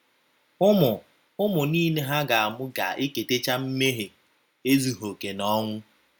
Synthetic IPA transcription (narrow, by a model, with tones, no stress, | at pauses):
ʊ˦mʊ˨ | ʊ˦mʊ˨niː˦ne˦ɦa˦ɡa˨a˨mʊ˦ɡa˨ʔe˦ke˨te˦t͡ʃa˦m̩˦me˦ɦe˨ | e˦zu˨ɦo˨ke˨nɔ˦ŋʷʊ˦